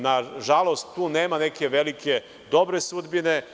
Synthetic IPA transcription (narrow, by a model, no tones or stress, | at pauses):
naʒalˠost̪ːuːneːmaneke̞ʋelike̞ | d̪o̞bɾesud̪bine